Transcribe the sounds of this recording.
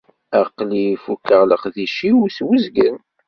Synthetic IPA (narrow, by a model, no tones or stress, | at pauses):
æqlifukːəʁləχðiʃiwuswəzɡən